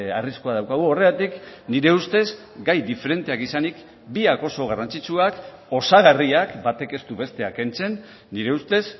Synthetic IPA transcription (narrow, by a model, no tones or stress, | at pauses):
ariskoaðawkaɣ̞uo̞re̞ðat̪ikniɾe̞ust̪e̞z | ɡajd̪ife̞ɾe̞nt̪e̞akisanik | biako̞so̞ɣ̞arant͡sit͡ʃuak | o̞saɣariakbat̪e̞ke̞st̪uβe̞st̪e̞ake̞nt͡se̞nː | iɾe̞ust̪e̞s